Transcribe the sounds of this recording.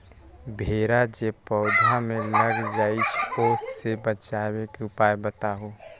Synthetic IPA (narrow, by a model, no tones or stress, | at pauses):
bʱeːɾad͡ʒepəʊd̪ʱamẽləɡd͡ʒaːit͡ʃʰoːsːebət͡ʃaːwekeʊpaːjbət̪aɦo